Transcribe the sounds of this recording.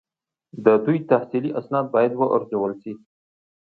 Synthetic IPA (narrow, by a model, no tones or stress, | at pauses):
d̪əd̪ujt̪ahsiliʔasnɑd̪̚bɑjad̪wəʔa̰ɾd͡ʒowəlsi